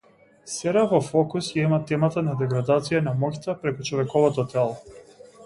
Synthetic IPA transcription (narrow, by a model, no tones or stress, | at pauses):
sɛɾavɔfɔkusjaimat̪ɛmat̪anad̪ɛɡɾad̪at̪sijanamɔct̪apɾɛkut͡ʃɔvɛkɔvɔt̪ɔt̪ɛlˠɔ